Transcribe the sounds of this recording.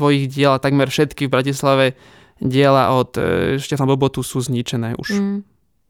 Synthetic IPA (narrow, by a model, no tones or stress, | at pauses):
ʋɔjiɣɟɪɛlat̪aɡmɛɾfʃɛt̪kivbɾacislaʋɛ | ɟɪɛla̰ʔɔt̪ʃcɛfnabɔbɔt̪usuːzɲit͡ʃɛnɛːʔṵʃ